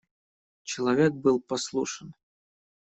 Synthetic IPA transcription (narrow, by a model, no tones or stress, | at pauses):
t͡ɕɪlˠɐvʲek̚bɨlˠpɐslˠuʂən